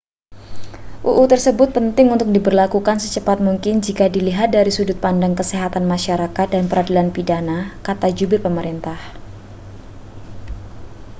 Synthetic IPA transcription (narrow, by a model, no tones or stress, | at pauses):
ʔuʔut̪ərsəbʊt̪̚pənt̪ɪŋunt̪ʊk̚dibərlakukansət͡ʃəpat̪̚muŋkɪnd͡ʒikadiliɦat̪̚daɾisudʊt̪̚pandaŋkəseɦat̪anmaʃaɾakat̪̚danpəɾadilanpidanakat̪ad͡ʒubɪrpəməɾint̪ah